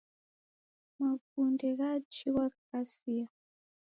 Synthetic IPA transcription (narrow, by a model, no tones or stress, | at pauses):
makundɛɣat͡ʃiwakkasia